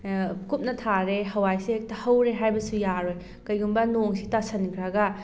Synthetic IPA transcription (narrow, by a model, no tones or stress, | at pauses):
kup̚nɐtʰaɾeɦɐwajsek̚tɐhɐwɾeɦajbɐsujaɾoj | kɐjɡumbɐnoŋsʰitasɐnkʰɾɐɡɐ